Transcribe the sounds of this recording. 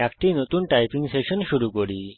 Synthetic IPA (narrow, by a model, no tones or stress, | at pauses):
akʈinot̪unʈajpʰiŋseʃɔnʃuɾukoɽi